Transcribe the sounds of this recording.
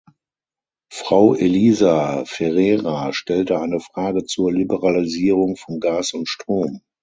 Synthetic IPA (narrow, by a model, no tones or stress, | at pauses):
fʁ̥aʊʔeliːzafɛʁɛːʁaʃtɛltəaɪnəfʁ̥aːɡət͡suːɐlibəʁaliziːʁʊŋfɔnɡaːsʊntʃtʁ̥oːm